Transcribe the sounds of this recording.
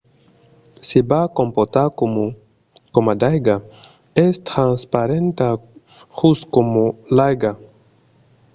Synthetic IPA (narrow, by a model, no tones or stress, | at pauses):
sibakõmpot̪aɾ | komad̪ajɡa | est̪ɾãnspaɾẽnt̪a | huskomulajɡa